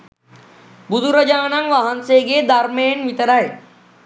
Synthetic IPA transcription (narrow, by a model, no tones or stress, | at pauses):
bud̪ʱuɾɐd͡ʒaːnɐŋʋaɦɐnseːɡed̪aɾmeːnʋit̪ɐɾae